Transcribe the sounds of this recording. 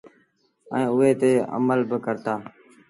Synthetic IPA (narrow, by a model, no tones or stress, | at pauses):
ə̰ĩːʊɦeːt̪eːə̰məlbəkəɾt̪aː